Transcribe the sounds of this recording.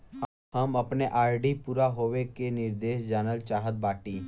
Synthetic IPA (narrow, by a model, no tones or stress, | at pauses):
ɦəməpneʔaːɾɖipuːɾaɦoːʋekenɪɾd̪eːʃd͡ʒaːnəlt͡ʃaːɦət̪̚baːʈiː